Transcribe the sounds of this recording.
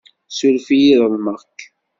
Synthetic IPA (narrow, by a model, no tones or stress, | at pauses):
sulfijiðəðˤməʁkː